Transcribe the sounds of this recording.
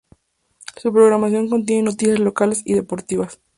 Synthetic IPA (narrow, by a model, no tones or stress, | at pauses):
supɾo̞ɣɾamas̬jo̞ŋko̞nt̪̬jeneno̞t̪isjazlo̞kale̞siðe̞po̞ɾt̪iβas